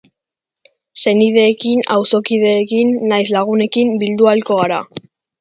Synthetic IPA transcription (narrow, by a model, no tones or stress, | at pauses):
se̞nið̞e̞ːkina̰wso̞kið̞e̞ːkinːajs̬laɣ̞une̞kimbild̪ualko̞ɣaɾa̰